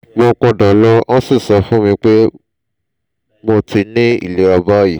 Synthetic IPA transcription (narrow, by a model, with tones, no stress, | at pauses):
mõ˧kɔ˧dã˨lɔ˦ã˦si˦˨sɔ˨˧fũ˦mĩ˧k͡pe˦ | mõ˧ti˧nĩ˦ḭ˦˨le˨˦ɾa˧ba˦ji˨